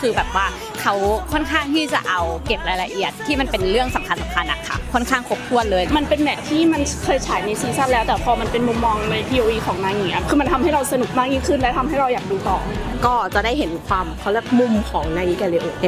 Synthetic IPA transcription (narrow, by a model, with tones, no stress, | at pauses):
kʰɯː˧bɛː˨˩p̚waː˥˩ | kʰa˦˥wkʰɔ˥˨nkʰaː˥˩ŋt̪ʰiː˥˩t͡ɕa˨˩ʔa˧wke˨˩p̚ɾaː˧jla˧ʔi˨˩ət̪ʰːiː˥˩ma˧npe˧nɾɯ˥˩əŋsa˩˦mkʰa˧nsa˩˦mkʰa˧nʔa˨˩kʰa̰˧˩kʰɔ˥˩nkʰaː˥˩ŋkʰo˨˧˩p̚k̪ʰu˥˩ənlɤː˧jma˧npe˧nmɛː˨˩t̪̚t̪ʰːiː˥˩ma˧nkʰɤː˧jt͡ɕʰaː˩˦jna˧siː˧nsa˥˩lɛː˦˥wt̪ɛː˨˩pʰɔː˧ma˧npe˧nmu˧mːɔː˧ŋna˧jpʰiː˧ʔoː˧ʔiː˧kʰɔː˩˦ŋnaː˧ŋiː˨˩˦ʔa˧˩kʰɯː˧ma˧nt̪ʰa˧mha˥˩jɾa˧wsa˧nu˨˩k̚maː˥˩k̚ɲiː˥˩ŋkʰɯ˥˩nlɛ˦˥t̪ʰa˧mɦa˥˩jɾa˧wjaː˨˩k̚duː˧t̪ɔː˨˩kɔː˥˩t͡ɕa˨˩daː˥˩jɦe˩˦nkʰwaː˧mkʰa˧˥wlɛ˦˥˩k̚mu˧mkʰɔː˩˦ŋnaː˧ji˦˥kɛː˧˩le˧ʔoː˨˩t̪